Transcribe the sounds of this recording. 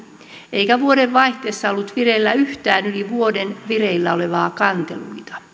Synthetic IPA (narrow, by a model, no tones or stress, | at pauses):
eikæʋuoɾeʋʋɑiht̪eːsːɑolːut̪ʋirelːæyht̪æːnyliʋuodenʋireilːæoleʋɑːkɑnt̪ḛluit̪ɑ̥